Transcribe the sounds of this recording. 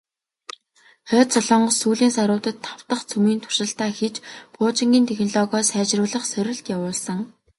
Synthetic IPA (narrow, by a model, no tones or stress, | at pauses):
χœːt͡sɔɮɞ̆ɴɢɞ̆suːɮiːnsaɾʊːt̪ə̆t̪ʰːaw̥t̪ə̆χt͡sʰɵmiːnt̪ʰʊ̥ʃɪ̆ɬt̪aːxet͡ɕpʊːt͡ɕɪ̆ŋɡʲiːnt̪ʰexnɔɮɔɣɔːsæːt͡ɕrʊːɮə̆χsœɾʲɪ̆ɬt̪jawʊːɮsə̆ŋ